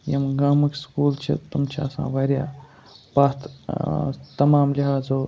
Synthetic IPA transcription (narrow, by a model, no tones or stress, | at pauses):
jɐmɡaːmɐkskuːlt͡ʃʰḭt̪umt͡ʃʰa̰ːsã̰ːʋɐɾʲja̰ː | baːt̪ʰ | t̪ɐmaːmliɦaːd͡zoː